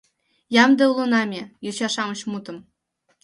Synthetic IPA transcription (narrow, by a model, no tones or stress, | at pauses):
jɑmd̪ʲɤ̆ulˠunɑmʲejoɕɑʂɑmɤ̆ɕmut̪ɤ̆m